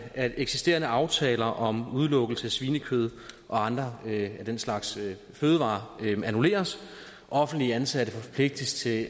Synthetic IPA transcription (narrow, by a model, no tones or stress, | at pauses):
æ̥eɡ̥sisd̥e̝̰ɐnəɑ̈ʊt͡sʰɛːlɐʔɒ̽muð̞ˠlɔ̽ɡ̥l̩səæsʋiːnəkʰøð̞ˠʔɒ̽ɑ̈nd̥ʁɐæd̥enslɑ̈ɡ̥s | føːð̞ˠəʋɑ̈ːænule̝̰ːɐs | ʔɒ̽fn̩d̥liəænsæd̥əfɒ̽pʰle̝ɡ̥̚d̥əst͡sʰe̝